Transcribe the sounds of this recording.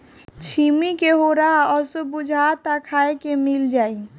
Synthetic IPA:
t͡ʃʰimikeɦoɾaɔsobud͡ʒʱat̪akʰaekemild͡ʒaːi

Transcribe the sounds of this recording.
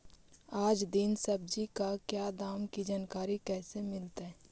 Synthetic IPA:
aːd͡ʒd̪ɪnsɐbd͡ʒikakjaːd̪aːmkid͡ʒaːnkaːɾikɛːsemɪlt̪ɦɛː

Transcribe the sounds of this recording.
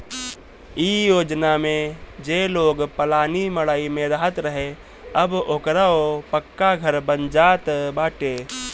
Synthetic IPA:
ijoːd͡ʒnamẽd͡ʒeːloːɡpəlaːniməɭaːimẽɾɐɦət̪ɾəɦe | ɐboːkɾaopəkːaɡʱəɾbə̃nd͡ʒaːt̪baːʈeː

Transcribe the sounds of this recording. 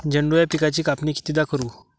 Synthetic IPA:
d͡ʑəɳɖujapikat͡ɕiːkapniːkʰi̥t̪id̪akəɾuː

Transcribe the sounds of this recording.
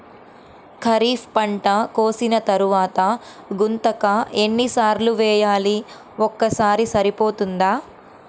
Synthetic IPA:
kʰɐɾiːfpɐɳʈɐkoːsinɐt̪ɐɾuʋaːt̪ɐ | ɡunt̪ɐkɐe̞nːisaːɾluʋɛːjaːli | ɔkːɐsaːɾisɐɾipoːt̪und̪aː

